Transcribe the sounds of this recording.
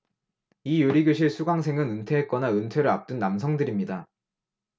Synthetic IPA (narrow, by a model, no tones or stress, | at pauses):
ijoɾiɡjoɕʰiɭsʰuɡaŋsʰe̞ŋɯnɯntʰwe̞ɦek͈ʌnaɯntʰwe̞ɾɯɭap̚t͈ɯnːamsʰʌŋdɯɾimɲida